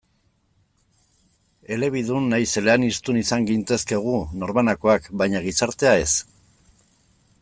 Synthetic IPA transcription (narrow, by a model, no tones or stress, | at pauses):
e̞le̞β̞iðunːajse̞le̞anist̪unisaŋɡint̪e̞ske̞ɣ̞uno̞ɾmanako̞akbajɲaɣ̞isaɾt̪e̞ae̞s